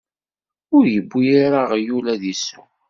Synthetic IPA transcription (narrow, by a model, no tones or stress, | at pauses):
ʊɾjəbːijaɾaʁjulæðisu